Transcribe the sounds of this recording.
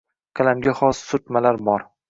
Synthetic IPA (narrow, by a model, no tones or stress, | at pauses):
kʰalamɡʲaχɒsːʊt̪malaɾbɒɾ